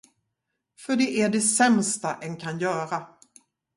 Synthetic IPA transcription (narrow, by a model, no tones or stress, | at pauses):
fœɖɛʔæɖɛsɛmst̪aʔɛnkʰanjœːɾa